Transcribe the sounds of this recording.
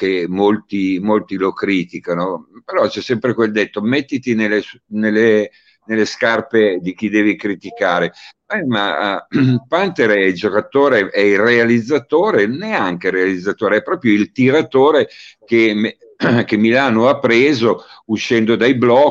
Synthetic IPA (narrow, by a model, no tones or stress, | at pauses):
kemolt̪imolt̪ilokɾiːt̪ikanopeɾɔt͡ʃɛsːɛmpɾekweld̪et̪ːomet̪ːit̪inelːesnelːe | nelːeskarped̪ik̟id̪ɛːvikɾit̪ikaːɾe | ɛma̰ | pant̪eɾɛild͡ʒokat̪oːɾeɛirealid̪zːat̪oːɾeneaŋkeɾealid̪zːat̪oːɾeɛpːɾɔːpɾjoilt̪iɾat̪oːɾekem | kemilaːnoapːɾeːzouʃːɛnd̪od̪ajblɔ